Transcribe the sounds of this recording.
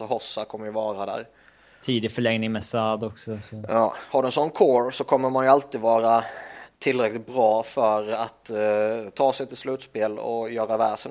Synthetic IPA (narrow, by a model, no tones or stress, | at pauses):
ɔhɔsːakʰɔmːəɾjɵvɑːɾad̪æ̰ːɾ | t̪ʰiːd̪ɪfœɭɛŋnɪŋmɛsad̪ɔksɔsɔjɑ̰ːhaɖɵɛnsɔnːkʰoːɾsɔkʰɔmːəɾmanjɵalt̪iːd̪vɑːɾat̪ʰɪlːɾɛklɪt̪̚bɾɑːfœɾat̪t̪ʰːɑːsɛjt̪ʰɪlslʉ̟ːt̪speːlɔ̰jœːɾavæ̰ːʂɛn